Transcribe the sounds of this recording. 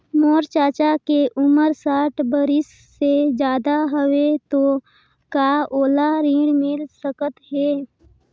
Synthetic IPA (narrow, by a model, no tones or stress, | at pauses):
moːɾt͡ʃaːt͡ʃakeʔʊməɾsaːʈbəɾɪsːed͡ʒjaːd̪aɦəwet̪o | kaʔoːlaɾĩːɽmɪlsəkət̪ɦɛː